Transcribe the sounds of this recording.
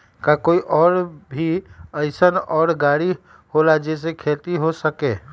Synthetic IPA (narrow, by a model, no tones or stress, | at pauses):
kakoːiʔɔːɾbʱiəɪsənɔːɾɡaːɽi | holad͡ʒes̬ekʰeːt̪iɦosəkeː